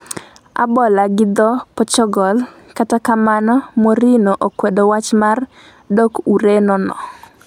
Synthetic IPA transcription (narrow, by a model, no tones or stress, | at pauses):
a̰bɔlaɡɪd̪ɔpɔt͡ʃɔɡɔlkatakamanɔmoɾinoʔokwedowat͡ʃmar | dɔkuɾenɔnɔ̰